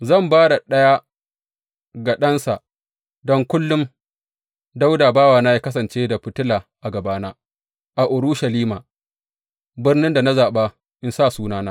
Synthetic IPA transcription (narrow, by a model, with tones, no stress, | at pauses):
zɐ˦˨mbaː˦da˨ɗɐ˦ja˦ | ɡa˨ɗɐ˦nsa˨ʔ | dɔ˦ŋkʷʊ˦lːʊ˦m | da˦wdaː˨baː˦waː˨naː˦jaː˦kɐ˦s̬ɐ˨nt͡ʃeː˦da˨ɸɪ˦tʊ˦laː˨ʔa˨ɡɐ˨baː˦naː˦ | ʔa˨ʔʊ˨ɾʊ˦ʃɐ˨liː˦maː˨ | bɪ˦rnɪ˦nda˨na˦zaː˨ɓa˦ | ʔɪ˦nsaː˦˨suː˦naː˦naː˦